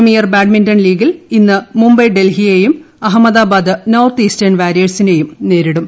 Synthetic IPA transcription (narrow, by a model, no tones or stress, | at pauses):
mijɐrbaːɖmindɐnliːɡilinːɨmumbɐjɖelɦijejum | ɐɦɐmːɐðaːbaːd̪ɨnoːrt̪iːstɐnʋaːɾijɐsine̞jumne̞ːɾiɽum